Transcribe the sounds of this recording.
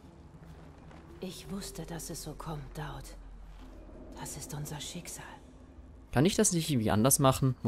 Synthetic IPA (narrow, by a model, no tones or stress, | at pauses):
ʔɪçv̥ʊstəd̥asɛsz̥oːkʰɔmtd̥aʊt | d̥asɪstʔʊnzɐʃɪkz̥aːl | kʰanɪçd̥asnɪŋ̩viːʔa̰ndɐsmaχn̩mʊ